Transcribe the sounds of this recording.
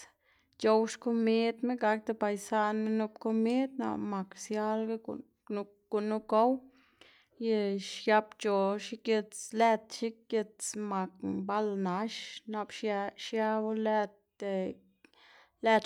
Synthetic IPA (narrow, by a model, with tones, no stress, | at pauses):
t͡ʃo˧wʃko˧me˦d̪me˦ɡa˧k̚d̪e˧ba˨jsa˦nme˦nu˧pko˧me˦d̪na̰˧˨ma˨ksja˦lɡa̰˦˨˧ | ɡ̥u˨nːu˦ko˦w | je˧ʃja˧pt͡ʃo˨ʃi˦ke˧t͡sle˦˧t̪ʃi˦ke˧t͡sma˨k̚ba˦lna˧ʃna˧bʃʃja˦bo˦le˦˧t̪ | e˧˨ | le˧t̪